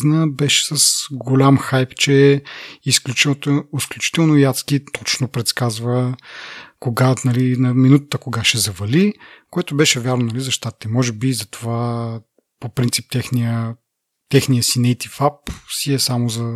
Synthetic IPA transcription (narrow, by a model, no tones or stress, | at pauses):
znəbɛʃɛ̥sɐsɡolʲamxajpt͡ʃɛisklʲut͡ʃt̪isklʲut͡ʃi̥t̪ɛlˠnojat̪skit̪ɔt͡ʃnopɾɛt̪skazvə | koɡanɐlinɐminut̪ət̪əkoɡaʃɛzɐvɐlikoɛt̪obɛʃɛvʲjaɾnonɐlizɐʃt̪at̪i̥t̪ɛmɔʒɛbizɐt̪ova | popɾint̪sip̚t̪ɛxniə | t̪ɛxnijəsinɛjt̪ifapsiɛsamozɐ